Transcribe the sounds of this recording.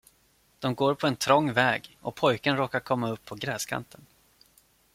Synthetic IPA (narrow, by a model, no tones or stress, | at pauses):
d̪̥ɔmɡoːɾpʰɔɛnt̪ʰɾɔŋːvɛːɡʔɔpʰɔjkənɾoːkaɾkʰɔmːaɵpʰːɔɡɾɛːskʰa̰nt̪ʰən